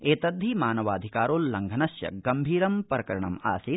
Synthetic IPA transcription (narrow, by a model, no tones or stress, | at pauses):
eːt̪ɐd̪ʱːimaːnɐʋaːd̪ʱikaːɾoːlːɐŋɡʱɐnɐsjɐ̰ɡɐmbʱiːɾɐmpɾɐkɐɾɐɳɐ̰ma̰ːsit̪̚